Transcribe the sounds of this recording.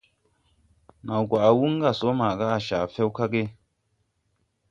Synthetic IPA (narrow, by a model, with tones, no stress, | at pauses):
na˨wɡwa˨ʔa˨wu˦ŋ˦ɡa˦˨so˨˦ma˨ɡa˦a˨ʃaː˨fɛ˦wka˦ɡe˦